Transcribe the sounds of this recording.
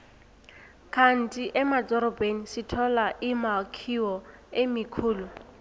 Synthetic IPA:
kʰan̩tʼiʔɛmat͡sʼɔɾɔpʼenisɪtʰɔlaʔɪmakʰiwɔemikʰuːlʊ

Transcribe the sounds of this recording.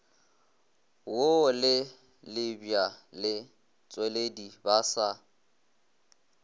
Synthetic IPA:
wolɪ | lɪbjalɪ | t͡sʼweledibasa

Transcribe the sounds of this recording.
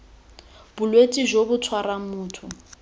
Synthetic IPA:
b̥ʊlwetʼiʒobʊtʰwaramuːtʰʊ

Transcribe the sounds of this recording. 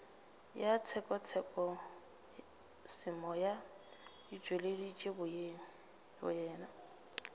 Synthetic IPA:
jat͡sʰɛkʼɔt͡sʰɛkʼɔ | sɪmɔja | ɪd͡ʒweledit͡ʃʼebʊ | bʊ̰jɛːna

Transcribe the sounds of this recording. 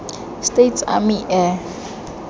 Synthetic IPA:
stetsa̰miʔɛ

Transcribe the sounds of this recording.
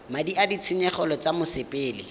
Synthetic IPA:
madiadit͡sʰɪɲɛχɔlɔt͡samʊsɪpʼɪːlɪ̰

